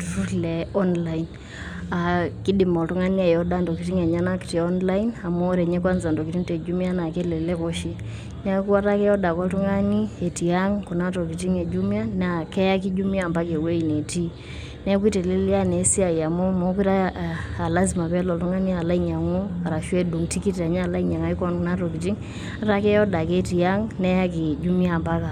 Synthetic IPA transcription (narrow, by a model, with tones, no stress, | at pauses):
tu˨tu˦tlɛ˨ɔ˦nla˦in | a˨ki˦di˨mɔ˨ltu˦ŋa˦ni˦a˨jɔ˦da˦ndɔ˨ki˨ti˦ŋe˨ɲa˦na˦ki̥˨ti˨ɔ˦nla˦ina˨mɔ˦ɾe˨ɲɛ˦kwa˦nza˨ndɔ˨ki˨ti˦nte˨d͡ʒu˦m˦a˦na˨ke˦le˨le˦ko˦ʃi˦ | n˦a˦ku˦wa˦ta˦kɛ˦jɔ˦da˨kɔ˦ltu˦ŋa˦ni˦e˨ti˨a˦ŋkɔ˨na˦tɔ˨ki˨ti˦ŋe˨d͡ʒu˦mja˦na˨kɛ˦ja˦ki˦d͡ʒu˦mja˦˨mba˦ke˨we˦i˨ne˨ti˦ | nɛ˦kwi˦te˨le˦li˦a˦ne˨˦si˦a˨ja˨mɔ˦mɔ˨˦k̬i˦ɾa˦˨a˨la˦zi˨ma˨pɛ˦lɔ˨ltu˦ŋa˦ni˦a˨la˦i˦ɲa˨ŋo˦a˨ɾa˨ʃwe˦du˨ŋti˦ki˦ta˨ɲa˦˨la˦i˦ɲa˨ŋa˦i˦kɔ˦nku˨na˦tɔ˨ki˨ti˦ŋ | a˦ta˦kɛ˦jɔ˦da˨ke˦ti˨a˦ŋnɛ˦ja˦ke˨d͡ʒu˦mi˦a˦˨mba˦ka˨